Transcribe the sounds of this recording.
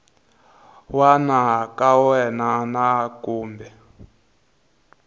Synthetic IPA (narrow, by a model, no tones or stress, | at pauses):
wanakawɛnanakuːmbɛ